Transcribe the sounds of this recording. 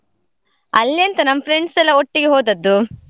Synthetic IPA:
ɐlːjɐnt̪ɐnɐmːɐpʰɾeɳɖsɐlːɐoʈːiɡeɦoːd̪ɐd̪ːu

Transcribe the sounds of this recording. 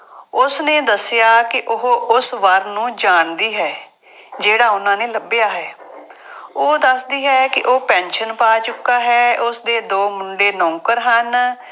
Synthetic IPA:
ʊsnẽːd̪əsjaːkɪʔʊɦoːʔʊsʋəɾnũːd͡ʒaːɳd̪iːɦɛː | d͡ʒeːɽaːʊnãːneːləbɪjaːɦɛː | oːd̪əsd̪iːɦɛːkɪʔoːpɛ̃ːnʃənpaːt͡ʃʊkːaːɦɛːʊsd̪eːd̪oːmʊɳɖeːnɔ̃ːŋkəɾɦən

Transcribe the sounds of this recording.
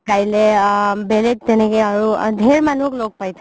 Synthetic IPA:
kailebelek̚t̪enekeəɾud̪ʱeɾmanukloːɡ̚pajt̪ʰe

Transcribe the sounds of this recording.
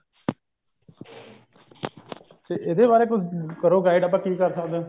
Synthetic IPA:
t̪eːʔed̪eːbaːɾeːk̬ʊd͡ʒkəɾoːɡaːɪɖəpãːkiːkəɾsəkd̪eː

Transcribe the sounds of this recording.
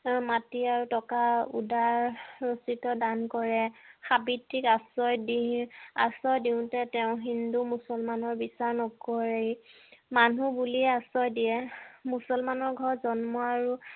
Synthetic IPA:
matiaɹutɔkaṵdaɹɹositɔdankɔɹɛxabitːikasɔjdia̰sɔjdiʊ̃tɛtɛʊ̃ɦindumusɔlmanɔɹbisaɹnɔkɔɹejmanubuliasɔjdijɛmusɔlmanɔɹɡʱɔɹzɔnmɔaɹu

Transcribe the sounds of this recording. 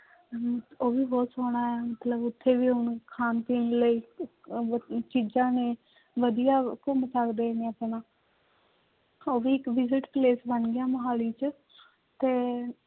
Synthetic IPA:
oːʋiːbɔːt̪soːɽaːɛːmət̪ləbʊt̪ʰːeːʋiːʊnkʰaːnt̪iːnləiː | t͡ʃiːd͡ʒãːneː | ʋəd̪ijaːkʊmsəkd̪eːnẽːəpnaː | oːʋiːɪkʋɪzɪʈpleːsbəɳɡɪjaːməɦaːliːt͡ʃ | t̪eː

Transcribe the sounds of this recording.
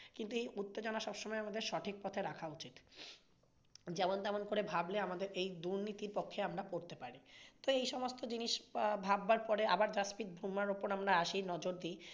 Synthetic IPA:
kint̪uejut̪ːed͡ʑonaʃɔbʃɔmɔeamad̪eɾʃɔʈʰik̚pɔt̪ʰeɾakʰaut͡ɕit̪ | d͡ʑɛmont̪ɛmonkoɾebʱableamad̪eɾejd̪uɾnit̪iɾpokʰːeamɾapoɾt̪epaɾit̪oejʃɔmost̪od͡ʑiniʃbʱabːaɾpɔɾeabaɾd͡ʒaspit̪̚bʱumːaɾopoɾamɾaaʃinɔd͡ʑoɾd̪i

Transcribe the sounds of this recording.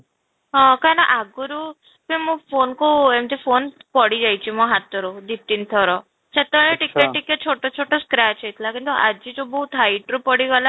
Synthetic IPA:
ɦɔ̃kajnaʔaɡuɾu | pemũpʰonkuemt̪ipʰonpɔɽid͡ʒajt͡ʃʰimɔ̃ɦat̪ɔɾud̪ip̚t̪int̪ʰɔɾɔ | t͡ʃʰet̪ɔɭeʈikeʈːiket͡ʃʰoʈot͡ʃʰoʈɔskɾat͡ʃʰejt̪ʰilakint̪uʔad͡ʒit̪ubɔɦut̪ɦajʈɾupɔɽiɡɔla

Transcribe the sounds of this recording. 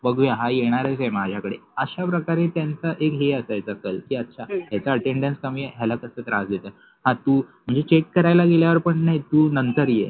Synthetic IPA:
bəɡʋjaɦajeɽ̃aɾəsemad͡ʑʱakəɽeəɕapɾəkaɾet̪jant͡səʔekɦeəsajt͡səkəlkiːətːɕʰaɦjat͡saəʈeɳɖənskəmijeɦjɛlakəsət̪ɾãsd̪et̪ə | hãt̪uːm̤əɳd͡zet͡ɕekːəɾajlaɡeljaʋəɾpəɳnajt̪uːnənt̪əɾjḛ

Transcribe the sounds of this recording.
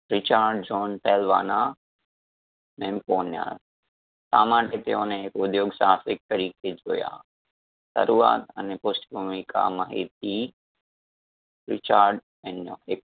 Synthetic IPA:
ɾɪt͡ʃaːɾɖ̚d͡ʒoːnpʰɛːlʋa̰ːna | meːmkoːnja̰ːɾ | saːmãːʈet̪eõːnẽekʊd̪joːɡsaːsɪk̚t̪ɐɾiːked͡ʒoːja̰ː | sɐ̰ɾuːa̰ːt̪ɐneposʈbʱumika̰mɐɦḛt̪i | ɾɪt͡ʃaːɾɖ | enjõ̰ːek̚

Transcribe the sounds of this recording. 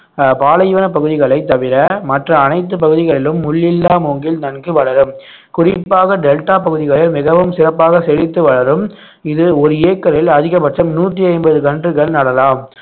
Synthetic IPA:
paːlɐjʋɐnɐpːɐɣɯðɪɣɐɭɐɪt̪ːɐʋɪɾɐmɐʈrɐːnɐɪt̪̬ːɯpɐɣɯðɪɣɐɭɪlɯmːʊɭːɪlːaːmoːŋɡɪlnɐnɡɯʋɐɭɐɾɯm | kʊrɪpːaːɣɐɖɛlʈaːpɐɣɯðɪɣɐɭɪlmɪɣɐʋɯmsɪɾɐpːaːɣɐsɛɻɪt̪ːɯʋɐɭɐɾɯm | ɪðɯɔɾɯeːkːɐɾɪlɐðɪɣɐmɐʈʂɐmnuːʈrɯɐɪmbɐðɯkɐɳdrɯkɐɭnɐɽɐlaːm

